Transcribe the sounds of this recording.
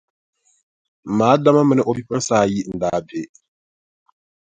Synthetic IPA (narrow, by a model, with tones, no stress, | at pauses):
m̩˨maː˨˦da˦ma˦mɨ˦nɨ˦ʔo˨bi˦pa˦saː˦˨ji˦˨n̩˨daː˦be˦